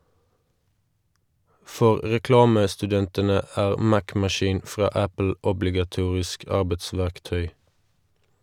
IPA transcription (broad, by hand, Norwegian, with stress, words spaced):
ˈfɔʁ ʁɛˈklɑːməstʉˌdɛntənə ˈæːʁ ˈmækmɑˌʃiːn ˈfʁɑː ˈæpl̩ ʊblɪɡɑˈtuːʁɪsk ˈɑʁbətˌsʋæʁkˌtœʏ